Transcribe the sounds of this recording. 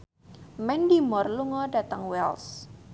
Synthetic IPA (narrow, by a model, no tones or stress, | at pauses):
mɛndimɔrluŋɔɖat̪əŋwɛls